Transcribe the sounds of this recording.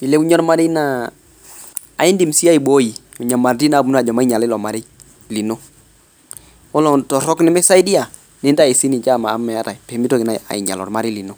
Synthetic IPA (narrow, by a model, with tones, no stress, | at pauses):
i˨lɛ˦u˦ɲɔ˦ɾma˦ɾɪ˦na˦ | a̰˨ɪ˦ndi˨m˨si˦a˦i˨bo˦i˨ | ɔ˨ɲa˨ma˨ndi˦na˨bu˨˦n˦a˨d͡ʒɔ˨ma˦i˦ɲa˨lɪ˦lɔ˨ma˨ɾɪ˦ | li˨no˦ | ɔ˦lɔ˨tɔ˨ɾɔ˦knɪ˦mɛ˦sa˦i˦di˦a˨ | nɪ˦da˦˨i˨si˦ni˨t͡ʃa˦˨maː˨˦mːɛ˨a˦ta˨jpɛ˨mi˦to˦kɪ˨na˨a̰˨ɪ̰˨ɲa̰˨lɔ̰˨rma˦ɾɪ˦li˨no˦